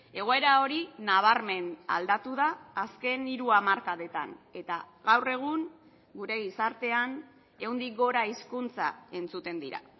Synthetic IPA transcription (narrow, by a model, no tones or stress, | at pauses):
e̞ɣ̞o̞e̞ɾao̞ɾinaβ̞aɾme̞na̰ld̪at̪uðaːske̞niɾuamaɾkaðe̞t̪a̰ne̞t̪a | ɣawre̞ɣ̞uŋ | ɡuɾe̞ɣisaɾt̪e̞an | e̞wnd̪ik̚ɡo̞ɾaiskunt͡sa̰e̞nt͡sut̪e̞nd̪iɾa̰